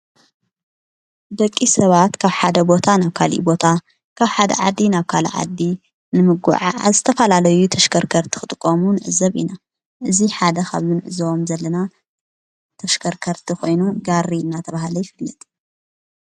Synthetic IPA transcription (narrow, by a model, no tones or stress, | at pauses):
b̪ɐkʼːisɐβat̪kʰaβħad̪ɐbo̞t̪ʰanaβkʰalḭbo̞t̪ʰa | kʰaβħad̪ɐ̰ʕad̪ːinaβkʰalḭʕa̰d̪ːi | nɨmɨɡṵʕa̰zɨt̪ʰɐfɐlalɐjut̪ʰɐʃkʰɐɾkʰɐɾt̪ʰi̥xɨt̪ʼɨkʼːomunɨʕɨzɐβḭna | ʔɨziħad̪ɐxʰa̰βzɨnɨʕɨzɐβo̞mzɐlːɐna | t̪ʰɐʃkʰɐɾkʰɐɾt̪ʰixʰo̞jnuɡaɾiɨnːat̪ʰɐβahlojɪfɨlːɐt̪ʼ